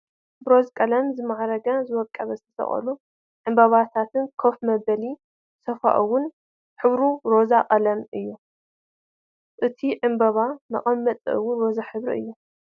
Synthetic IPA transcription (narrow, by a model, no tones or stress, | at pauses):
bɨɾo̞zkʼɐlɐmzɨmaʕɾɐɡɐzɨwɔkʼːɐβɐzt̪ʰɐ̥sʰɐ̰χʼɐ̰lu | ʕɨmbɐβat̪ʰat̪ʰɨnkʰofmɐbɐli | sɐfa̰ʔɨwʊn | ħɨβɾuɾo̞zaqʼɐlɐmʔɨjːu | ʔɨt̪ʰiʕɨmbɐβamɐ̰χʼɐmːɐt̪ʼɨwʊnɾozaħɨβɾḭʔɨ̰jːu